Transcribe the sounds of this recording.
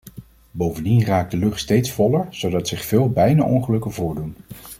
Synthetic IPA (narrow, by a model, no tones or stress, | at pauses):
bowvəndinraːk̚dəlɵχtstejtsfɔləɹz̥owdɑtsɪχfɪːlˠbɛjna̰ːʔɔŋχəlɵkənvʊːɹdun